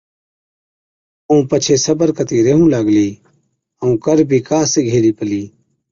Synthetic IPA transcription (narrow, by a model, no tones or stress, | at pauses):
əũːpət͡ʃʰeːsəbəɾkət̪iːɾeɦũːlaːɡliː | əũːkəɾbʱiːkaːseːɡʱeːliːpəliː